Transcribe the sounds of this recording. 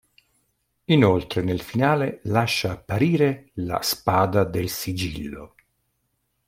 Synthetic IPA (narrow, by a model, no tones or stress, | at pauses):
inolt̪ɾenelfinaːlelaʃːaːpːaɾiːɾela̰spaːd̪ad̪elsid͡ʒilːo̰